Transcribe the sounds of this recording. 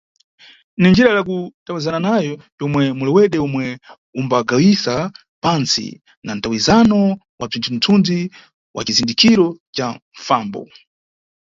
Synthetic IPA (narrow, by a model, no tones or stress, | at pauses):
nind͡ʒiɾajak̬utawizananajɔjɔmwɛmulɛwɛɗɛɔmwɛ | umbaɡawisa | pansḭ | nan̩tawizanɔ | wab͡ʐintʰun̩tʰund͡zi | wʔa̰t͡ʃizindikiɾɔt͡ʃaɱfaːmbɔ̰